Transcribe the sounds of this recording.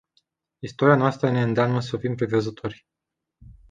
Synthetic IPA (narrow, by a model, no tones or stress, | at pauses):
ist̪oɾianoast̪ɾəne̞ɨnd̪eamnəs̬əfimpɾevəzət̪ʰo̞rʲ